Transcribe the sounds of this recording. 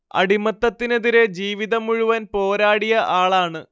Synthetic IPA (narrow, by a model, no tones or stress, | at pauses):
ɐ̰ɽimɐt̪ːɐt̪ːineðiɾe̞d͡ʑiːʋiðɐmuɻuʋɐnpo̞ːɾaːɽijɐʔaːɭaːɳɨ